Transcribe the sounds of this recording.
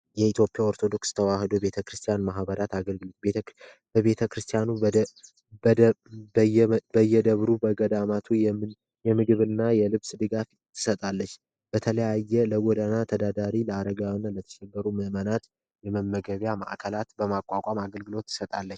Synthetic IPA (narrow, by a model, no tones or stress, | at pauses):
jɛit̪ʰjo̞pʼjaoɾt̪ʰo̞d̪o̞kst̪ʰəwahɨd̪obe̞t̪ʰəkɾɨst̪ʰijanmaɦbəɾat̪aɡəlɡɨlobe | bəβe̞t̪ʰəkɾɨst̪ʰijanu | bbəjːɛd̪əβɾubəɡəd̪amat̪ʰuj | jɛmɨɡɨβɨnːajɛlɨβsd̪ɨɡaf | t̪ʰːɨ̥sət̪ʼalːət͡ʃː | b̥ət̪ʰələjajːɛləwɔd̪ənat̪ʰəd̪ad̪aɾiləaɾəɡawnːalət̪ʰə̥ʃɛɡːəɾumɨmənat̪ | jɛməmːəɡəβjama̰ʔkʰəlat̪bəmakʼːakʷʼamaɡəlɡɨlo̞t̪ːɨ̥sət̪ʼalːət͡ʃː